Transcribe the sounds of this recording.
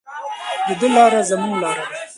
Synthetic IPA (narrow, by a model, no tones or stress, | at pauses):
d̪əd̪əlɑːɾazamuŋɡlɑːɾad̪a